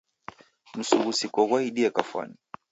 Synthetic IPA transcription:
m̩suɣusikɔɣwaiɗiɛkafwa̰ni

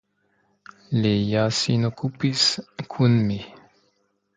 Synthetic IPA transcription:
lejasinokupiskʰunmi

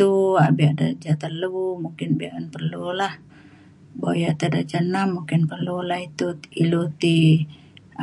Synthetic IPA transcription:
uabiʔadad͡ʒat̪əlumuŋkɪnbiaʔanpərlulah | bojat̪ədat͡ʃanamːuŋkɪnpərlulahit̪uilut̪i

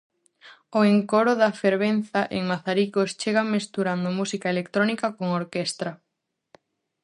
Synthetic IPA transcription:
oeŋkoɾʊðɐfeɾβ̞enθaʔḛŋmaθaɾikost͡ʃeɣamest̪uɾand̪ʊmusikɐelekt̪ɾɔnikɐkoŋoɾkɛst̪ɾɐ

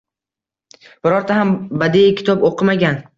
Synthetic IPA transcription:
b̥ɪɾɒɾt̪ʰahambad̪ijkʲʰɪ̥t̪ʰɒboqʰɨmaɡʲan

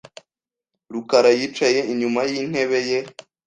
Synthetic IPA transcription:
ɾukaɾajiːt͡ʃaje̞iɲumajin̥he̞βe̞je̞

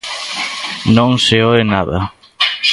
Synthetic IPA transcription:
nõŋseoenaðɐ̰

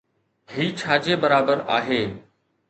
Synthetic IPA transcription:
ɦiːt͡ɕʰaːd͡ʑebəɾaːbəɾa̰ːɦeː

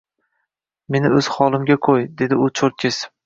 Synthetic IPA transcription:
me̞nɪɵz̥χɒlˠɪmɡʲaqʰojd̪e̞d̪ɪʊt͡ʃʰoɾt̪̚kʲʰɪs

